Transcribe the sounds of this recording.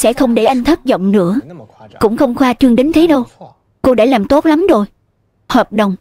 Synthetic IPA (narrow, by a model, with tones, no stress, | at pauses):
sɛ̰˧˥xə˧wŋ͡mɗe˧˩ʔa˧jŋ̟t̪ʰə˦˥t̚zɔ̰˧˨wŋ͡mnɨ̰˧˥əkʊ̰˧˥ŋ͡mxə˧wŋ͡mxwaː˧t͡ɕɨ˧əŋɗe˨˦nt̪ʰe˨˦ɗə˧w | ko˧ɗa̰ː˧˥laː˨˩mt̪o˦˥t̚la˨˦mzo˨˩j | hwaː˨˩p̚ɗə˨wŋ͡m